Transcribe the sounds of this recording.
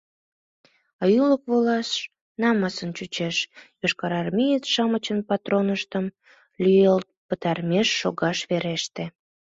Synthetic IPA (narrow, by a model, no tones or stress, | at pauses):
ɑjuləkβolɑs | nɑmɑsənt͡ɕut͡ɕeʃjoʃkɑɾɑrmijət͡sʃɑmət͡ɕənpɑt̪ɾonəʃt̪əm | lʲyjelt̪̚pət̪ɑrmʲeʃːoɣɑʃβeɾeʃt̪e